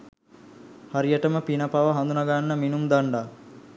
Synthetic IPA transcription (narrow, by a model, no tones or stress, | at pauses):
haɾijəʈəməpinɐpaʋəɦand̪unaɡanːəminumd̪aɳɖa